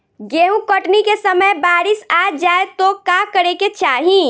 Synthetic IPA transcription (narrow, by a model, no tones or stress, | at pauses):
ɡeɦũkəʈnikesəməjbaːɾisad͡ʒaːet̪okakəɾeket͡ʃaːɦĩ